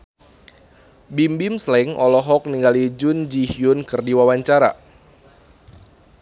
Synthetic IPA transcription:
bimbimslɛŋɔ̰lɔɦɔk̚niŋɡalid͡ʒʊnd͡ʒihjʊnkɨrdiwawaɲt͡ʃaɾa̰

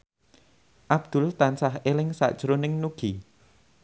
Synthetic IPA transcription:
ʔab̥̚d̪̥ʊ̤lt̪ansaɦelɪŋsa̰ʔd̥ʒ̥ɾonɪŋnuɡ̥i

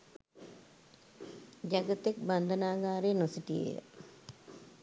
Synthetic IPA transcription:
d͡ʒaɡət̪ek̚band̪ənaːɡaːɾenosiʈijḛjə̰

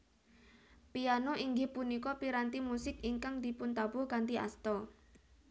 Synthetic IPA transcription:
pianoʔiŋɡɪhpunikɔpiɾant̪imusɪkiŋkaŋd̪̥i̤pʊnt̪abʊhkant̪iʔa̰st̪ɔ

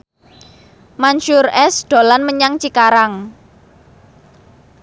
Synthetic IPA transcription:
manʃʊrɛsɖ̪̥o̤lanməɲaŋt͡ʃikaɾaŋ

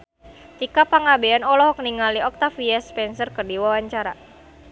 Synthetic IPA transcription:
t̪ikapaŋabeanɔlɔɦɔk̚niŋaliɔk̚t̪afiɛspɛnsərkərdiwawaɲt͡ʃaɾa̰

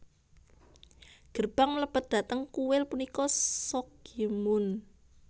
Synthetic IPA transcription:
ɡ̥ərb̥aŋləb̥ət̪̚d̪̥a̤t̪əŋkuwɪlpunikɔsɔkimʊn

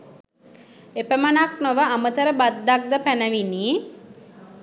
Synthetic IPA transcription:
epəmənaknoʋəamət̪əɾəbad̪ːak̚d̪əpænəʋini

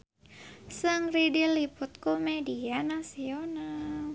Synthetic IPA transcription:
sɨŋridilipʊt̪̚komedianasional

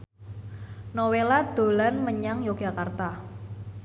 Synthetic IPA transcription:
nowelad̪̥o̤lanməɲaŋjoɡ̥a̤kart̪a

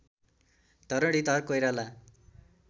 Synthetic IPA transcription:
d̪ʌɾʌɽit̪ʌrkojɾala

